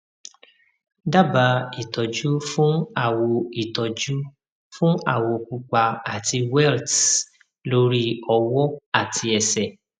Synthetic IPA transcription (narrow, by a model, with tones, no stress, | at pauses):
da˦˨ba˧i˦˨tɔ˨d͡ʒu˦fũ˦a˦˨wo˧i˨tɔ˨d͡ʒu˦ | fũ˦a˦˨wo˧ku˧k͡pa˧a˨ti˧wɛ˦˨lt | lo˧˦ɾi˦ɔ˧wɔ˦a˦˨tʰi˧ɛ˨sɛ˨